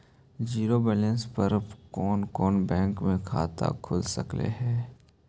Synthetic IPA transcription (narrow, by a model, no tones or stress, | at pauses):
d͡ʒiːɾobɛːlɛ̃nspɐɾkɔːnkɔːnbɛ̃ːŋkmẽkʰa̰ːt̪a̰kʰʊlsɐ̰klḛɦɛː